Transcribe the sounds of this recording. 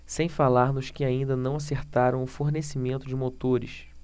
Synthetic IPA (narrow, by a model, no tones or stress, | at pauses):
sẽj̃falaɾnʊskɪaĩnd̪ɐnɐ̃w̃as̬eɾt̪aɾɐ̃w̃ʊfoɾnesimẽnt̪ʊd͡ʒɪmot̪oɾɪʃ